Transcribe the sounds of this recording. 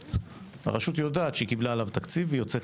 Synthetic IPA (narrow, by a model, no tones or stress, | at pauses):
ha̰ʁaʃut̪jo̞daːt̪ʃeikiblaːlavt̪akt͡sivejo̞t͡set